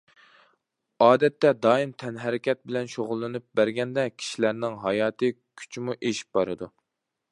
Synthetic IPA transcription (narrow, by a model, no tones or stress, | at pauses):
ɑːd̪ɛt̪ːɛd̪ɑːimt̪ʰɛnɦæɾɪkʲɛt̪̚bɪlɛnʃoʁʊlˠːɨnɨp̚bæɾɡʲɛnd̪ɛkʲʰi̥ʃilæɾnɪŋɦɑjɑːt̪ʰɨ | kʲʰy̥t͡ʃmuʔeʃi̥p̚bɑɾɨd̪u